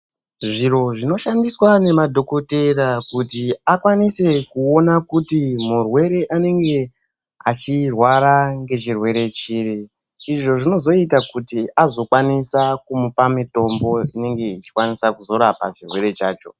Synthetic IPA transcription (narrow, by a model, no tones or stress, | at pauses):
ʐiɾo̞ʐino̞ʃandiswane̞madʱo̞koteɾakutiakwanise̞kuo̞nakutimurwe̞ɾe̞ʔane̞ŋɡe̞ | at͡ʃirwaɾaŋɡe̞t͡ʃirwe̞ɾe̞t͡ʃiːɾiː | ʐo̞ʐino̞zo̞itakutiʔazokwanisakumupamito̞mbo̞ine̞ŋɡe̞it͡ʃi̥kwanisakuzo̞ɾapa̰t͡ʃirwe̞ɾe̞t͡ʃaːt͡ʃo̞̰